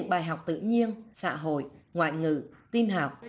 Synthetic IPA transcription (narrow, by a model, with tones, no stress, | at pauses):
ɨ̰˧˥ŋɓaː˨˩jɦa˨˩wk͡p̚t̪ɨ̰˧˨ɲi˧ənsa̰ː˧˥ɦo̰˧˨jŋwa̰ː˧˨jŋɨ̰˧˨t̪i˧nɦaː˨˩wk͡p̚